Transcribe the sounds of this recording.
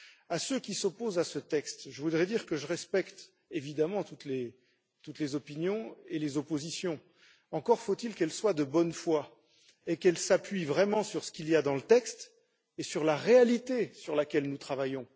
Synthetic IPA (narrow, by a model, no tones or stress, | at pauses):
asøkʲisɔpozasət̪ɛkst̪ʒəvud̪ʁɛd̪iʁkəʒəʁɛspɛkt̪ | evid̪amɑ̃t̪ut̪le | t̪ut̪lezɔpinjɔ̃elezɔpozisjɔ̃ | ɑ̃kɔʁfot̪ilkɛlswad̪əbɔnfwa | ekɛlsapɥivʁɛmɑ̃syʁsə̥kʲiljad̪ɑ̃lət̪ɛkst̪ | esyʁlaʁealit̪esyʁlakʲɛlnut̪χavajɔ̃